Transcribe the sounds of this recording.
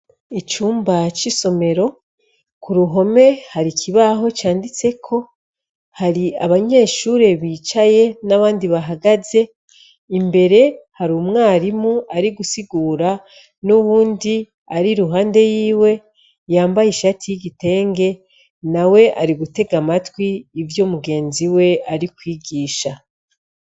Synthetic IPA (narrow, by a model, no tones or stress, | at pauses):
it͡ʃuːmbat͡ʃiso̞me̞ɾo̞ | kuɾuɦo̞me̞haɾikʰiβaɦo̞t͡ʃaːndit͡se̞kʰo̞ | haɾiaβaɲe̞ːʃuːɾe̞βiːt͡ʃaje̞naβaːndiβaɦaɡaze̞ | imbe̞ɾe̞haɾumŋaːɾimuaɾiɡusiɡuːɾa | nuβuːndi | aɾiɾuɦaːnde̞jiːwe̞ | jaːmbajiʃatʰijiɡite̞ːŋɡe̞ | nawe̞ʔaɾiɡute̞ɡamatwiːvjoːmuɡe̞ːnziwe̞aɾikwiːɡiːʃa